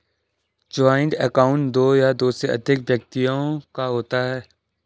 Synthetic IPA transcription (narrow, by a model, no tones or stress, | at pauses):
d͡ʒaːɪ̃ɳɖɛkaːʊ̃ɳʈ̚d̪oːjad̪oːseɐ̰d̪ʱɪkʋjək̚t̪ijõkaɦoːt̪aɦɛː